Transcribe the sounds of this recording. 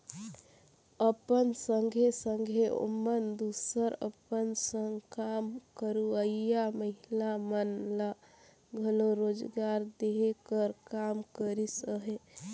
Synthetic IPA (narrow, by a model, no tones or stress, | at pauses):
əpənsəŋɡʱesəŋɡʱeo̰mənd̪usəɾə̰pənsə̃ŋɡkamkəɾuəijaməɦilamənla | ɡʱəloɾod͡ʒɡaɾd̪eɦekəɾkamkəɾisəɦe